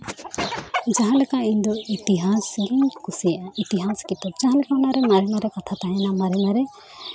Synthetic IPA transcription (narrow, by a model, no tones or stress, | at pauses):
d͡ʒaɦãlɛkaiɲd̪ɔit̪iɦasɡiɲkusɛʔait̪iɦaskit̪ɔp̚d͡ʒaɦãlɛkaɔnaɾɛmaɾimaɾɛkat̪ʰat̪aɦɛnamaɾimaɾɛ